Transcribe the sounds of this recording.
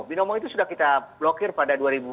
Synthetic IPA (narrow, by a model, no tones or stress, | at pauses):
binɔmɔjt̪osudakit̪ablɔkeɾpaɖaɖuaɾibu